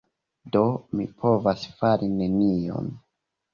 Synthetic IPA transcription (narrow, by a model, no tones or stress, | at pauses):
do̞mḭpʰo̞vasfaɾine̞nio̞̰n